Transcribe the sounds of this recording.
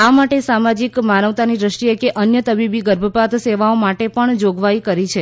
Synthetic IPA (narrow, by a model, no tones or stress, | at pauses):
amaʈesamad͡ʒikmanəʋt̪anid̪ɾəʃʈiekeʔənjət̪əbibiɡəɾbʱəpat̪ʰseʋaomaʈepəɳd͡ʒoɡʋaikəɾit͡ʃʰe